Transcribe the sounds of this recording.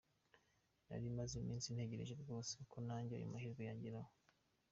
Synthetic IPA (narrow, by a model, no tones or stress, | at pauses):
na̰ɾimazimiːnsinhe̞ɟeɾḛʒeɾɡo̞ːsekʰonaːɲɟea̰jṵmahiːɾɡojaːɲɟiɾaho